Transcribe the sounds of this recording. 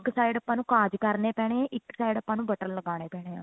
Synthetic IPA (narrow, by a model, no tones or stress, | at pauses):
ksaːɪɖəpːãːnũːkaːd͡ʒkəɾneːpɛːɽ̃eːãːʔɪksaːiɖəpːãːnũːbəʈəɾləɡaːñeːpɛːɽ̃eːãː